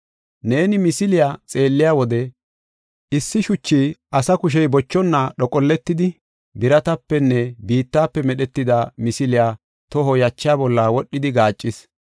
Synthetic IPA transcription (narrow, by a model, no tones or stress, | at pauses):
ne̞ːnɪmɪsɪlɪjaːt͡sʼe̞ːlːɪjaːwɔd̪ɛ | ʔɪsːɪʃʊt͡ʃːiːʔɐsɐkʊʃ̬ɛjbɔt͡ʃːɔnːaɗɔkʼɔlːɛt̪ːɪd̪ɪ | bɪɾɐt̪ɐpːɛnːɛbiːt̪ːaːpːɛmɛɗɛt̪ːɪd̪amɪsɪlɪjaː | t̪ɔɦɔjɐt͡ʃːɪjaːbɔlːaːwɔɗːɪd̪ɪɡaːt͡ʃʼːɪs